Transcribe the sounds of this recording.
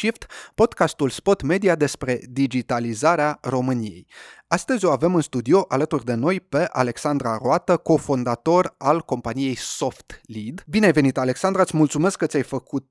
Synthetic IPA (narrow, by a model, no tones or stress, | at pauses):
ʃift̪po̞d̪kast̪ulspo̞t̪me̞d̪iad̪e̞spɾe̞d̪id͡ʒit̪alizaɾearo̞mɨnijḛjast̪əzʲo̞ave̞mɨnst̪ud̪io̞ʔalət̪urʲd̪e̞no̞jpe̞ʔale̞ksand̪ɾaroat̪əko̞fond̪at̪o̞ralko̞mpanije̞jso̞ft̪lid̪bineve̞nit̪ale̞ksand̪ɾat̪sʲmult̪sume̞skːət̪sʲajfəkut̪̚